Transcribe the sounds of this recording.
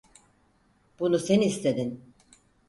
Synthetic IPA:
b̥unusenist̪ʰed̪in

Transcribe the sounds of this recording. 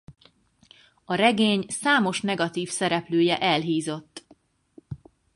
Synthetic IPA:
ɒɾɛɡeːɲsaːmo̞ʃnɛɡɒt̪iːfsɛɾɛpløːjɛʔɛlɦiːzo̞t̪ː

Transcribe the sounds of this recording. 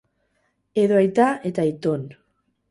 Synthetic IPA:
eðoajt̪aet̪ait̪on

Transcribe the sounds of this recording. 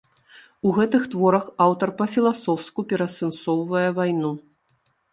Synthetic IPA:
uɣɛt̪ɨxt̪vɔɾɐxawt̪ɐrpɐfʲilˠasɔwskupʲɛɾɐsɨnsɔwvɐjɛvajnu

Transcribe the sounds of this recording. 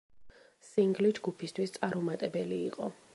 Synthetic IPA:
siŋɡlid͡ʒɡupʰist̪ʰwist̪sʼaɾɔmat̪ʼɛbɛliːqʼɔ

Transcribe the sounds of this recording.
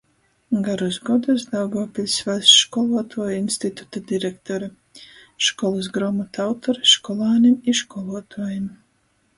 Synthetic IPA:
ɡaɾusɡɔd̪usd̪awɡɔːpʲilʲsvasʃkɔlˠuɔt̪ʰuɔjinst̪it̪u̥t̪ad̪iɾɛkt̪ɔɾa | ʃkɔlˠas̬ɡɾɔmat̪awt̪ɔɾʃkɔlˠaːnimiʃkɔlˠuɔt̪ʰuɔjim

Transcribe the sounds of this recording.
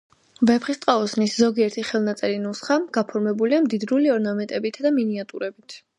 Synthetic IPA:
vɛpχist̪ʼqʼaɔsniszɔɡiɛɾt̪ʰiχɛlˠnat̪sʼɛɾinusχaɡ̥apʰɔɾmɛbuliamd̪id̪ɾuliɔɾnamɛnt̪ʼɛbit̪ʰd̪aminiat̪ʼuɾɛbit̪ʰ

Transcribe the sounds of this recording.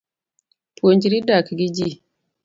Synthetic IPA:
tond͡ʒiɾidakɡid͡ʒi

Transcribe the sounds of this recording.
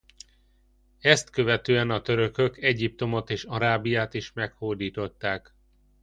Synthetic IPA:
ɛst̪kø̞vɛt̪øːɛnɒt̪øɾø̞kø̞kɛɟip̚t̪o̞mo̞t̪eːʃɒɾaːbijaːt̪iʃmɛkhoːd̪iːt̪o̞t̪ːaːk

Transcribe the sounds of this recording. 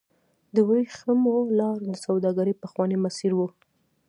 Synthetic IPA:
d̪əwəixəmolɑɾd̪əsawd̪ɑɡaɾəjpəxwɑnemasiɾwu

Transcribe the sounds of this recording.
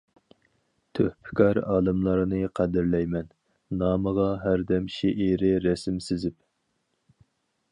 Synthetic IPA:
t̪ʰøhpʰɪ̥kʰɑɾɑ̰ːlˠɨmlˠɑɾnɨqʰæd̪ɪɾlɛjmɛn | nɑːməʁɑɦæɾd̪ɛmʃeʔiɾɪɾɛsɪmsɪzɪp

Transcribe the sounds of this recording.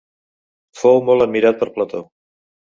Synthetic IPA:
fowmɔlˠəd̪̚miɾat̪̚pəɾplət̪o̰

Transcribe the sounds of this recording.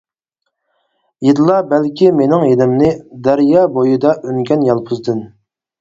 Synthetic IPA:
jed̪ɨlˠɑbɛlkʲimenɪŋjed̪ɪmnɪd̪æɾjɑːbojɨd̪ɑʔøŋkʲʰɛnjɑlˠpʰʊzd̪ɨn

